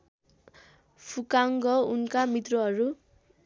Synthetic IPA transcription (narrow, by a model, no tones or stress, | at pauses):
pʰukaŋɡʌunkamit̪rʌɦʌɾu